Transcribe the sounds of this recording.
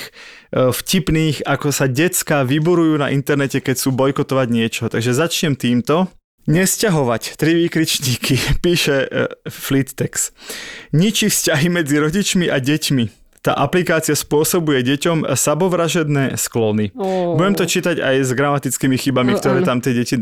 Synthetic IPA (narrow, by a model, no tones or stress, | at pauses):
fcipniːxakɔsaɟɛt͡skaʋibuɾujuːna̰ʔint̪ɛɾnɛcɛkɛc̚t͡suːbɔjkɔt̪ɔʋaɟɲɪɛt͡ʃɔɦt̪aɡʒɛzat͡ʃɲɛmt̪iːmt̪ɔ | ɲɛscaɦɔʋact̪ɾiʋiːkɾit͡ʃɲiːkʰipiːʃɛflit̪ːɛks | ɲit͡ʃifscaɦimɛd͡ziɾɔɟit͡ʃmiʔaɟɛcmi | t̪a̰ːʔaplikaːt͡sɪaspʊɔsɔbujɛɟɛcɔmsabɔʋɾaʒɛd̪nɛːsklɔnibuɟɛmt̪ɔt͡ʃiːt̪aɟa̰jzɡɾamat̪it͡skimixibamikkt̪ɔɾɛːt̪amt̪ɪɛɟɛci